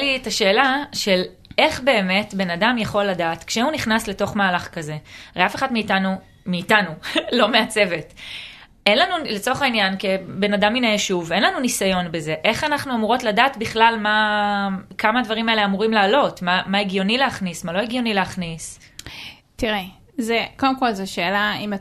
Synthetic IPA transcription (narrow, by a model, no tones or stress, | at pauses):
litaʃe̞ːlaʃe̞l | e̞χbe̞ːme̞tbe̞nadamjaχo̞lːadaːtkʃehuniχnasle̞to̞χmaːlaχkaze̞aʁejafe̞χadmiːtanu | miːtanulo̞meat͡se̞ve̞t | ʔe̞nlanulet͡so̞χainjankebe̞nadaminejeʃuve̞nlanunisajo̞nbe̞ze̞ʔe̞χanaχnuamuʁotladaːtbiχlalma | kamadvaʁimaeleamuʁimlaːlo̞tmamaeɡjo̞nileaχnismalo̞eɡjo̞nileaχnis | tiʁe | zekodemko̞lzeʃeːlaima